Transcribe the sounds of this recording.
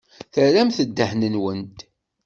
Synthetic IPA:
θəɾæmθəd̪ːəħnənwənt̪

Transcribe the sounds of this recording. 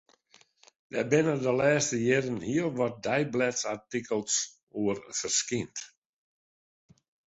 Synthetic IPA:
dɛ̰bɪnədəlɛːstəjɪɾənhiəlˠʋɔt̚dɛjblɛtsatikəlˠs | uərfərskint

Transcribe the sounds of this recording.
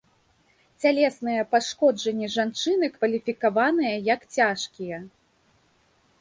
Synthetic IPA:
t͡sʲalʲɛsnɨjɐpaʂkɔd͡ʐɐnʲːɛʐant͡ʂɨnɨkvɐlʲifʲikavanɨjɐjɐkt͡sʲaʂkʲijɐ

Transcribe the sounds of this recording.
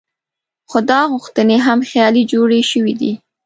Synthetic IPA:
xod̪ɑɣʊxt̪əneɦamxjɑlid͡ʒoɽeʃəwid̪i

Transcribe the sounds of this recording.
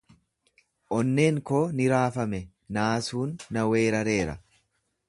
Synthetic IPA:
ʔɔnːe̞ːŋkoːnɪɾaːfɐmɛ | naːsuːnːɐwe̞ːɾɐɾe̞ːɾɐ̰

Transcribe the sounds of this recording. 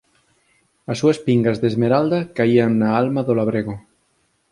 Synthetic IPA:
asːuaspiŋɡazðezmeɾald̪akaiaŋnaalmaðolaβɾeɣo

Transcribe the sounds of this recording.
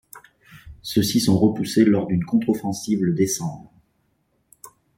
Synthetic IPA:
səsisɔ̃ʁəpuselɔʁd̪ynkɔ̃t̪χɔfɑ̃sivləd̪esɑ̃bʁ

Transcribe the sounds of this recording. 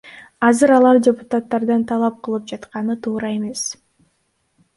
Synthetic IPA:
ɑzɯɾɑlˠɑɾdʲɪpʊ̥t̪at̪ːɑɾd̪ɑnt̪ʰɑlˠɑp̚qʰɯlˠɯp̚d͡ʒɑt̪qɑnɯt̪ʰuːɾɑe̞me̞s

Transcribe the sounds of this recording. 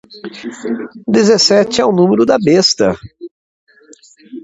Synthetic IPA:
d̪ezesɛt͡ʃɪɛʊnũmeɾʊd̪ɐbest̪ɐ

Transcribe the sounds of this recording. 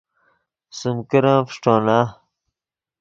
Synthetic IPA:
sumkiɾãːfʂʈõːna

